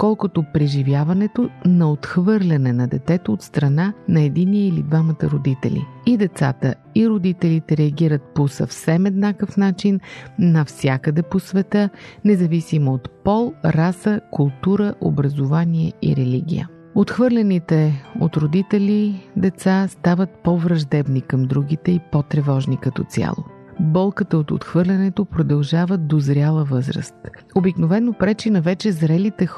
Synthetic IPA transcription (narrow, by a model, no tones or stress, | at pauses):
kɔlˠkot̪opɾɛʒivjavɐnɛt̪onɐot̪xvɤɾlʲɐnɛnɐd̪ɛt̪ɛt̪oot̪st̪ɾɐnanɐɛd̪iniɛilid̪vamət̪ə̰ɾod̪it̪ɛ̰lʲḭid̪ɛt̪sa̰t̪ə | iɾod̪it̪ɛlit̪ɛɾɛɐɡiɾət̪̚posə̰fsɛmɛd̪nakəfnat͡ʃinːɐfsʲjakəd̪ɛposvɛt̪ənɛzɐvisimoot̪pɔlˠɾasəkʊlˠt̪uɾəʔo̰bɾəzovaniɛḭɾɛliɡ̟ʲḭjə̰ | ot̪xvɤɾlʲɛnit̪ɛo̰t̪ɾod̪it̪ɛlʲid̪ɛt̪sast̪avət̪̚pɔvɾɐʒd̪ɛbnikɐmd̪ɾuɡ̟it̪ɛipɔt̪ɾɛvɔʒnikɐt̪ɔ̰t̪sʲia̰lˠo̰ | bɔlˠkət̪əot̪o̰t̪xvɤɾlʲɐnɛt̪opɾod̪ɐlˠʒavəd̪ozɾjalˠəvɤzɾə̰st̪obiknovɛnopɾɛt͡ʃinɐvɛt͡ʃɛzɾɛlit̪ɛ